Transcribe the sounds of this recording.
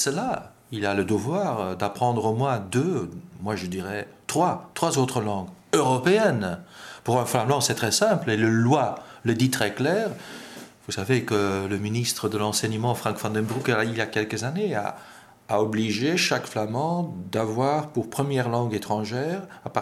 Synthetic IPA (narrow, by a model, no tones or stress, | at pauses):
səla | ilaləd̪əvwaːʁd̪apχɑ̃d̪ʁəmwɛ̃d̪ømwaʒəd̪iʁɛt̪χwat̪χwazot̪χəlɑ̃ɡøʁɔpeɛnpuʁɛ̃flamɑ̃sɛt̪χɛsɛ̃pleləlwaləd̪it̪χɛklɛːʁvusavekələminist̪χəd̪əlɑ̃sɛɲəmɑ̃fχɑ̃ŋkfɑ̃d̪ɛnbuʁkailjakʲɛlkəzanea̰ː | ɔbliʒeʃakflamɑ̃d̪avwaːʁpuʁpχəmjɛʁlɑ̃ɡet̪χɑ̃ʒɛːʁap